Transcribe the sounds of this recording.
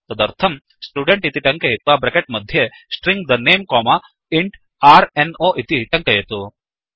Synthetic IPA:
t̪ɐd̪ɐɾt̪ʰɐm | sʈjuːɖeɳʈit̪iʈɐŋkɐjet̪̚ʋaːbɾɐkeʈ̚mɐd̪ʱje | sʈɾiŋɡd̪ɐneːmkoːma | iɳʈ | aːɾenoːʔit̪iʈɐŋkɐjet̪u

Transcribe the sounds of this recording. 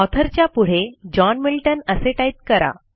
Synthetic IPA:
ɔt̪ʰəɾt͡ɕjapuɽ̤ed͡ʑɔnmilʈənəseʈajt̪̚kəɾa̰

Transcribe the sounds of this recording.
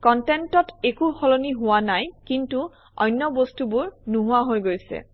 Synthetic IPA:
kɔntɛntɔtekuxɔloniɦʊwanajkintu | ɔ̰jnːɔbostubʊɹnuɦʊaɦojɡojsɛ̰

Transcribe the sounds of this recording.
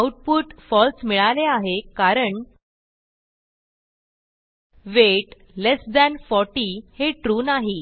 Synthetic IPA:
awʈ̚puʈfɔlsmiɭaleaɦekaɾəɳ | ʋeʈ | lesd̪ɛnfɔɾʈiheʈɾunaɦi

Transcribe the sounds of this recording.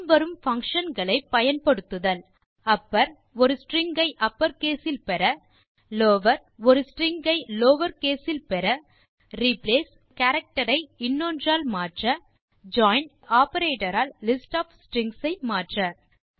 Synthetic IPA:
mʋɐɾɯmfɐŋkʂɐnɡɐɭɐɪpːɐjɐnpɐɽɯt̪ːɯðɐl | ɐpːɐɾ | ɔɾɯsʈɾɪŋɡɐɪʔɐpːɐɾkeːsɪlpɛɾɐ | loːʋɐɾ | ɔɾɯsʈɾɪŋɡɐɪloːʋɐɾkeːsɪlpɛɾɐ | ɾɪpleːs | kɐːɾɐk̚ʈɐɾɐɪɪnːoːndraːlmaːʈrɐ | d͡ʒaːɪnɖ | aːpɐɾeːʈɐɾaːlːɪsʈaːfsʈɾɪŋɡsɐɪmaːʈrɐ

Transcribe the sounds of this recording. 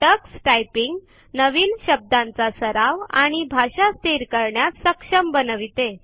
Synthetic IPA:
ʈəksʈajpiŋɡ | nəʋiːnɕəb̚d̪ãnt͡sasəɾaʋaɽ̃ibʱaɕast̪iɾkəɾɳjasəkʂəmbənəʋit̪e

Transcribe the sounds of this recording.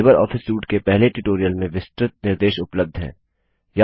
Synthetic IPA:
bəɾɔ̰ːfɪsuːʈkepɛɦleʈʊʈoːɾijəlmẽʋɪsʈɾɪt̪̚nɪɾd̪eːʃʊpləb̚d̪ʱɦɛ̰̃ː | ja

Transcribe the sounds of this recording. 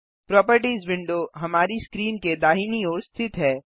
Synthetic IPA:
pɾɔːpəɾʈizʋɪ̃ɳɖoɦɐmaːɾiskɾiːnked̪aːɦiniɔːɾst̪ʰɪt̪ɦɛː

